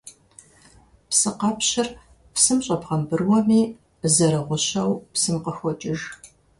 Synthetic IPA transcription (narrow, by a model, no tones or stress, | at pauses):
psɨqɑpɕɐr | psɨmɕʼɐpʁɐmbɨrwɔmiː | zɐɾɐʁʷʊɕɐwpsɨmqəxʷɔt͡ʃʼɪʒ